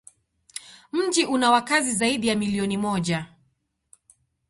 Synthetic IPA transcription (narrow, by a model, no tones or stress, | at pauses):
m̩ʄiʔunawakazizaiɗijamiliɔnimɔʄa